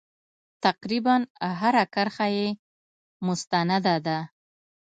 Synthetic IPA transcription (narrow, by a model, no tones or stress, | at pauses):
t̪aqɾibanɦaɾakaɾxaje | mʊst̪anad̪ad̪a